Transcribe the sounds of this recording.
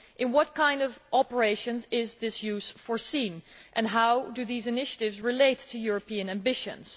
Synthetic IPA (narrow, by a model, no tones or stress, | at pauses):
ʔɨ̃nwʌt̚kʰãɪ̃ndʌvʔɑpə˞eɪʃɨ̃nzɪzðɪsjʉz̥fəɹsĩnʔɨ̃nɦaʊdɨðizɨnɪʃəɾɪvzɹɨleɪtʰɨjʊɹəpĩɨ̃næ̃mbɪʃɨ̰̃nz̥